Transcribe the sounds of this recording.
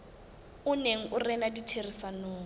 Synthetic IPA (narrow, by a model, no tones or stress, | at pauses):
ʊneŋ̩ʔʊrɛnaditʰerisanoː